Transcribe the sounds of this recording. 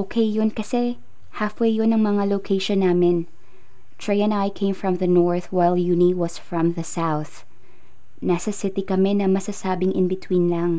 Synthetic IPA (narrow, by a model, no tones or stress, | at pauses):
ʔoːkʰejːonkɐsɛ | hafwejjonɐŋmɐŋalokʰejʃonːaːmɪn | t̪ʰɹejɐ̃najkʰẽɪ̃mfɹɐ̃mðɐnoɹθwajljuniwɐsfɹɐ̃mðɐsawθ | naːsɐsɪt̪ɪkɐmɛnɐmɐsasaːbɪŋʔɪnbɪt̪winlɐŋ